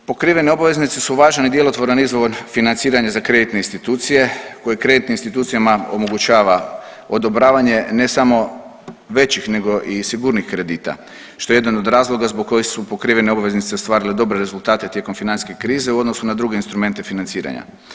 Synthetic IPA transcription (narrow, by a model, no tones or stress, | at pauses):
po̞kɾiʋe̞neo̞baʋe̞znit̪sesuʋaːʒanid̪je̞lot̪ʋoɾanizʋonfinant̪siːɾaɲazakɾe̞d̪it̪neinst̪it̪uːt̪sije̞ko̞jekɾe̞d̪it̪ninst̪it̪uːt̪sijamaomo̞ɡut͡ʃaːʋa | o̞d̪o̞bɾaːʋaɲe̞ne̞samo̞ | ʋe̞t͡ɕixne̞ɡo̞ʔisiɡuːɾnixkɾe̞d̪iːt̪a̰ | ʃt̪o̞jejed̪anod̪ɾaːzlˠo̞ɡazboɡ̚kːo̞jixsupo̞kɾiːʋe̞neo̞baʋe̞znit̪se̞st̪ʋaːɾiled̪o̞bɾeɾe̞zulˠt̪aːt̪e̞t̪je̞ko̞mfinant̪skekɾiːze̞uo̞d̪no̞sunad̪ɾuɡeinst̪ɾume̞nt̪e̞finant̪siːɾa̰ɲa̰